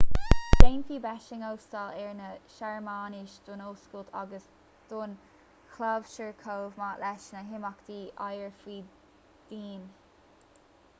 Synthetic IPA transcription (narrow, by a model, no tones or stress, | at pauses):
d̥ejnfiːbɛʃɪŋowst̪alɛɹnəʃaɹmaːniʃd̪̥ʊnoːskolt̪ʰa̰ɡəs | d̪̥ʊn | kʰlav̥ʃəɹkʰowvmaːʔlɛʃnəɦɪmakd̪̥iːʔajəɹfiː | d̪̥iːn